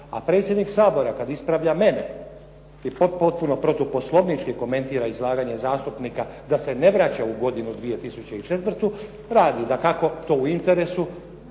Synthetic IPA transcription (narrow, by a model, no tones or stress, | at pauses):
a̰pɾe̞t̪sʲje̞d̪niksaːbo̞ɾakad̪ispɾaʋʎame̞ne | ipo̞t̪pot̪̚puno̞pɾo̞t̪upo̞slˠo̞bnit͡ʃkiko̞me̞nt̪iːɾaizlˠaːɡaɲe̞zaːst̪upnikad̪ase̞ne̞ʋɾat͡ɕauɡo̞d̪inud̪ʋije̞t̪isut͡ɕeit͡ʃe̞t̪ʋr̩t̪u | ɾaːd̪id̪akako̞t̪o̞ːuint̪e̞ɾe̞su